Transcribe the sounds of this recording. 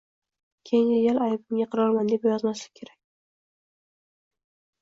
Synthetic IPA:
kʲʰejɪŋejʲalajbɪmɡʲaqʰɨɾɒɾmand̪e̞pjɒzmaʃlɪ̥kʲʰe̞ɾakʲ

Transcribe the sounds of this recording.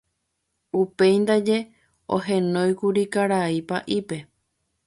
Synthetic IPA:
upe̞jnd̪ad͡ʒe̞ | o̰ɦẽ̞nõjkuɾikaɾaipaʔipe̞

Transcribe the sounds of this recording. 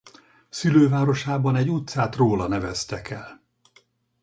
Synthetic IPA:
syløːvaːɾo̞ʃaːbɒnɛɟut̪saːt̪roːlɒnɛvɛst̪ɛkɛl

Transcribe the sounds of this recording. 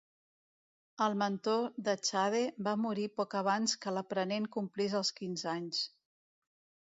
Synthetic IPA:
əlˠmənt̪oðət͡ʃað̞ebamuɾipɔkəβ̞anskələpɾəneŋkumpliz̬əlˠskinzaɲs

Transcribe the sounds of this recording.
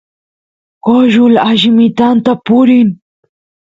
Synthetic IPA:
koʒʊlaʒɪmɪt̪ant̪apʊɾɪŋ

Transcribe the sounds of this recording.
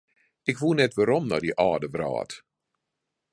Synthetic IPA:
ɪkʋunɛtʋaːɾɔmna̰diʔaːdəʋra̰ːt

